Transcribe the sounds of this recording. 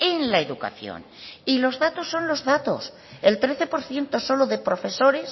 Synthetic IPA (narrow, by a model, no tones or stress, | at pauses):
e̞nlaeðuka̰θjo̰n | ilo̞zðat̪o̞sːo̞nlo̞zðat̪o̞̰s | e̞lt̪ɾe̞θe̞po̞ɾθje̞nt̪o̞so̞loðe̞pɾo̞fe̞so̞ɾe̞s